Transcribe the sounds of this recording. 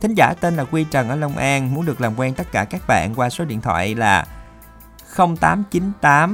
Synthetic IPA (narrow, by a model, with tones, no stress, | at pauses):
t̪ʰï˨˦ŋ̟zaː˧˩t̪e˧nlaː˨˩kwi˧t͡ɕə˨˩nʔəː˧˩lə˧wŋ͡mʔaː˧nmu˨˦ənɗɨ˨˩ək̚laː˨˩mkwɛː˧nt̪ə˦˥t̚kaː˧˩kaː˦˥k̚ɓa̰ː˧˨nkwaː˧so˨˦ɗḭ˧˨nt̪ʰwa̰ː˧˨jlaː˨˩ | xə˧wŋ͡mt̪aː˨˦mt͡ɕi˨˦nt̪aː˨˦m